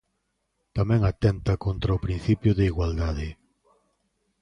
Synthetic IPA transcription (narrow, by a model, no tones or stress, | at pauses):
t̪amɛ̃ŋat̪ɛnt̪ɐkont̪ɾaʊpɾin̟θipjʊðeiɣwald̪að̞ɪ